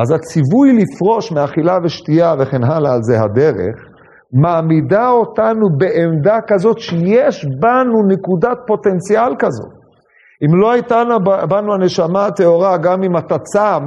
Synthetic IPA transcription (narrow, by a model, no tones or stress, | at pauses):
ʔazat͡sivujlifʁo̞ʃmeaχilaveʃtijave̞χenɦalaːlzeɦa̰d̪eʁe̞̰χ | maːmidao̞tanube̞ʔemd̪akazo̞tʃejeʃbanunekudat̚po̞t̪e̞nt͡sialkazo̞̰t | imlo̞hajt̪anabanuaneʃamaat̪eo̞ʁaɡamimat̪at͡sam